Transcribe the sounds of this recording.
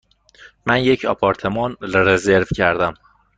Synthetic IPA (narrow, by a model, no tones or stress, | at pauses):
mænje̞cʰɒ̰pʰɒːɾt̪ʰe̞mɒːnɾezeɾvcʰæɾd̪æm